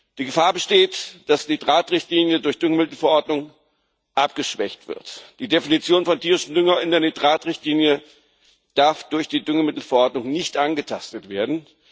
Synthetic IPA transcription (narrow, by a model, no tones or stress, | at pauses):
d̥iːɡəfaːɐbəʃteːtd̥asd̥idʁaːtʁɪçtliːnjədʊɐçd̥ʏŋəmɪtl̩fɛɐʔɔɐdnʊŋ | ʔapɡ̥əʃv̥ɛçtv̥ɪ̰ɐtd̥iːdefinit͡sjoːnfɔntiːʁɪʃn̩dʏŋɐɪndeːɐnidʁaːtʁɪçtliːnjə | d̥aɐfd̥ʊɐçd̥iːdʏŋəmɪtl̩fɛɐʔɔɐtnʊŋnɪçtʔanɡətʰastətv̥eːɐdn̩